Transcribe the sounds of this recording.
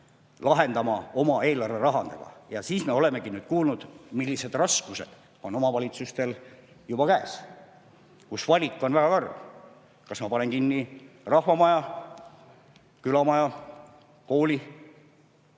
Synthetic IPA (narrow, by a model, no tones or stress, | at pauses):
lɑɦe̞nd̪ɑmɑo̞mɑe̞ːlɑrveɾɑɦɑnd̪ḛɡ̥ɑ̰jɑsiːsme̞o̞le̞me̞ɡinyːd̪̥̚kuːlnud̪̥milːise̞d̪rɑskuse̞d̪̥ | o̞no̞mɑvɑlʲit̪sust̪e̞l | jub̥ɑkæːs | kusvɑlʲikˑːo̞nvæɡ̥ɑkɑr | kɑsmɑpɑne̞ŋkinːirɑhvɑmɑjɑ | kylɑmɑjɑ | ko̞ːlʲi